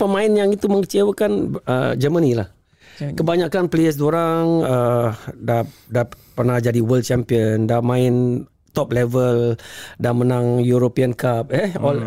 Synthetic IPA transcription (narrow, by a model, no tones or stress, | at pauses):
pəmãɪnjaŋit̪uməŋkət͡ʃewəkanə̰d͡ʒəmənilah | kəbaɲakanpleəs̬doɾaŋədada | pərnahd͡ʒadiwəld̚t͡ʃɛmpiəndamãɪn | t̪ɔp̚lɛvəldamənaŋjuɾopiənkap̚ɛɔl